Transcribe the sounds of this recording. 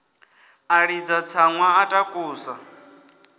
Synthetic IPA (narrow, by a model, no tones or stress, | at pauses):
aɺid͡zat͡sʰaŋwaːtʼakʼuːsa